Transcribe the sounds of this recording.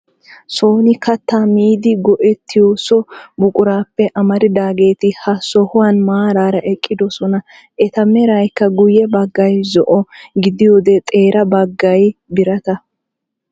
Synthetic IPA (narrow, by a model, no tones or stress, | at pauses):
so̞ːnɪkɐt̪ːaːmiːd̪ɪɡɔʔɛt̪ʰːɪjosɔbʊkʼʊɾaːpːɛʔɐmɐɾɪd̪aːɡe̞ːt̪ɪhɐsɔhʊwɐnmaːɾaːɾɐʔɛkʼːɪd̪ɔsɔnɐ | ʔɛt̪ɐmɛɾɐjkːɐɡʊjɛbɐɡːɐjzɔʔɔɡɪd̪ɪjoːd̪ɛt̪ʼe̞ːɾɐbɐɡːɐjbɪɾɐt̪ɐ